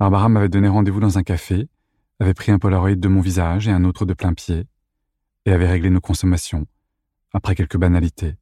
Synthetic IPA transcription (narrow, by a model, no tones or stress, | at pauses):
b̥aʁbaʁamavɛd̪ɔneʁɑ̃d̪evud̪ɑ̃zɛ̃kafe | avɛpχiɛ̃pɔlaʁɔid̪̚ːəmɔ̃vizaʒeɛ̃not̪χəd̪əplɛ̃pje | eavɛʁeɡlenokɔ̃sɔmasjɔ̃ | apχɛkʲɛlkəbanalit̪ʰe